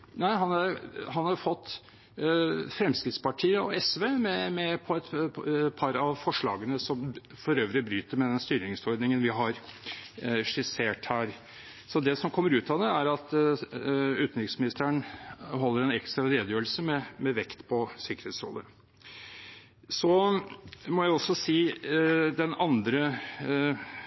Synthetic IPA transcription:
næɪɦɑnæɾhɑnhɑɾfɔt̪ː | fɾɛmskɾɪt̪spɑʈʰiːəɔɛsʋeːmɛmɛpʰɔɛt̪pʰɑɾɑʋfɔʂɭɑ̰ːɡənəsɔm | fɔɾøːʋəɾɪbɾyːt̪əɾmɛd̪ɛnst̪yːɾnɪŋsɔɾd̪nɪŋənʋɪɦɑɾ | ʂɪseːʈhæːɾ | sɔd̪ɛsɔmkʰɔmːəɾʉːt̪ɑd̪ɛæɾɑt̪ | ʉːt̪n̩ɾɪksmɪnɪst̪əəɳɦɔlːəɾɛnɛkst̪ɾɑleːd̪jøːlsəmɛmɛʋɛkt̪pʰɔsɪkəɾheːt̪sɾo̰ːlə̰ | sɔ | mɔjæɪɔsːɔsiː | d̪ɛnɑnd̪ɾə

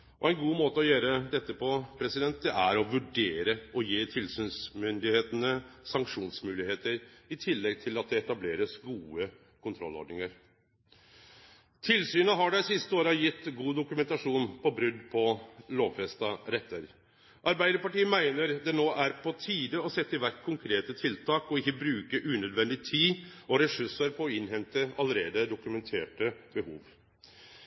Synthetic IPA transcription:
ʔɔæɪnɡuːmoːt̪əɔjøːɾəd̪ɛt̪ːəpɔpʰɾɛsɪd̪ɛnt̪̚d̪ɛʔæɾɔʋʉɖeːɾəʔɔjeːt̪ʰɪlsyːnsmʏnd̪ɪheːt̪ənəsɑŋkʂuːnsmʉːlɪheːt̪əɾɪt̪ʰɪlːɛɡ̚t̪ʰɪlɑt̪̚d̪ɛɛt̪ɑbleːɾəsɡuːə | kʰʊnt̪ʰɾɔ̰lɔ̰ɖɳnɪŋəɾ | t̪ʰɪlsyːnəɦɑɖæɪsɪst̪əoːɾɑjɪt̪ːɡuːd̪ʊkʉmɛnt̪ɑʂuːnpʰɔbɾʏd̪pʰɔloːʋfɛst̪ɑɾɛt̪ʰːəɾ | ʔɑɾbæɪd̪əɾpɑʈiːəmæɪnəɾd̪ɛnoːʔæɾpʰɔt̪ʰiːd̪əɔsɛt̪ːəɪʋæɾkkʰʊŋkʰɾeːt̪ət̪ʰɪlt̪ʰɑːkɔɪçːəbɾʉːkəʔʉnœd̪ʋɛnd̪ɪt̪ʰiːɔɾɛʂʉʂəɾpʰɔːɪnhɛnt̪əɑləɾeːd̪əd̪ʊkʉmɛnt̪ʰeːʈəbəhuːʋ

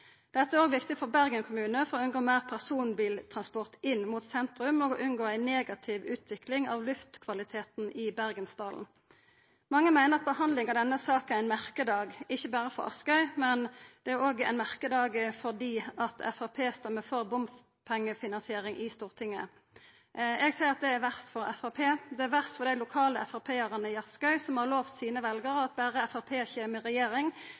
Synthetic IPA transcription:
d̪̥ɛt̪ːəæɾoːɡʋɪkt̪ɪfɔʁbæʁɡənkʰʊmʉːnəfɔɾoːʉnɡoːmeːʁpʰæʁsuːnbiːlt̪ʰʁɑnspɔʁt̪ɪnːmuːt̪sɛnt̪ʁʉmɔɡɔʔʉnɡoːæɪneːɡɑt̪ʰɪʋʉːt̪ʰʋɪklɪŋɑʋlʉft̪kʰʋɑlɪt̪ʰeːt̪n̩ʔɪbæʁɡənst̪ɑːln̩ | mɑŋːəmæɪnəʁɑt̪̚bəhɑnd̪lɪŋɑʋd̪ɛnːəsɑːk̪æʁæɪnmæʁkəd̪ɑːɡɪçːəbæːʁəfɔ̰ʁɑ̰skœʏmɛnd̪̥ɛæʁoːɡæ̰ɪnmæʁkəd̪ɑːɡfɔʁd̪iːɑt̪ʰɛ̰fɑpʰeːst̪ɛmːəfoʁbʊmf | pʰɛŋːəfɪnɑnsɪeːɾɪŋʔɪst̪uːʁt̪ʰɪŋːə̰ | ʔɛɡsæɪʁɑt̪̚d̪ɛæɾʋæʁst̪fɔɾɛfɑpʰeːd̪ɛæɾʋæʁst̪fɔʁd̪æɪlʊkʰɑːləɛfɑpʰeːəʁənəɪɑskɑʏsɔmhɑʁloːʋt̪siːnəʋɛlɡəɾəɑt̪̚bæːʁəɛfɑpʰeːçeːməʁɛjeːʁɪŋ

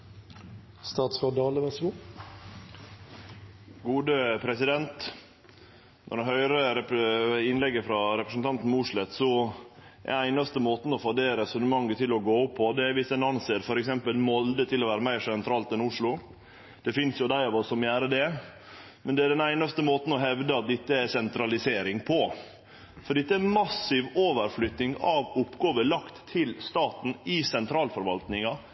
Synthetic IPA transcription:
st̪ɑːt̪sfɔd̪ɑːləʋɛsɡuː | ɡuːd̪əpʰɾɛsɪd̪ɛnt̪ | nʔɔ̰ɾɖɛnɦœʏɾəɾɛɪnlɛɡːəfɾɑɾɛpɾəsənt̪ɑnt̪n̩mʊʂɭɛt̪sɔ | ɛ̰æɪnɑst̪əmoːt̪n̩ɔfɔɖɛɾɛsʉnəmɑŋːət̪ʰɪlɔɡoːʊpʰːɔd̪ɛæʋɪsɛnɑnseːɾfɔɾɛksɛmpəlmɔld̪ət̪ʰɪlːɔʋæːɾəmæɪʂɛnt̪ʰɾɑːlt̪ɛnʊʂlʊ | d̪̥ɛfɪnsjʊd̪æɪɑʋɔsːɔmjæːɾəd̪ɛ | mɛnd̪ɛæɖɛnæɪnɑst̪əmoːt̪n̩ɔɦɛʋd̪əɑt̪̚d̪ɛt̪ːəæsɛnt̪ʰɾɑlɪseːɾɪŋpʰɔ | fɔɖɛt̪ːəæmɑsːɪʋoːʋəɾflʏt̪nɪŋɑʋʊpːɡoːʋəlɑkt̪ʰːɪlst̪ɑːt̪n̩ɪsɛnt̪ʰɾɑːlfɔɾʋɑlt̪nɪŋɑ

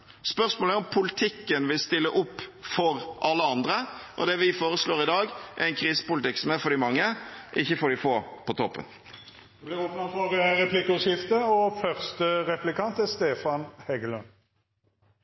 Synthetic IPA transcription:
spœʁsmoːləæɾɔmpʰʊlɪt̪ʰɪkːənʋɪlst̪ɪlːəʔʊpːfɔɾʔɑlːəɑnd̪ɾəʔɔ̰d̪ɛʋɪfoːɾəsloːɾɪd̪ɑːɡʔɛɾæɪnkʰɾiːsə̥pʊlt̪ɪksɔmæɾfɔd̪ɪmɑŋːəʔɪçːəfɔd̪ɪfoːpʰɔt̪ʰɔpːə̰n | blɪʁɔpnɑfɔʁəʁɛpʰlɪkəʉʃɪft̪əɔfœʁst̪əʁɛplɪkʰɑnt̪ɛst̪eːfɑnhɛɡəlʉn

